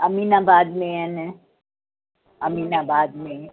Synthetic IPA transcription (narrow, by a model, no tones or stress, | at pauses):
ɐminãbaːd̪mẽɛn | ɐmiːnabaːd̪mẽ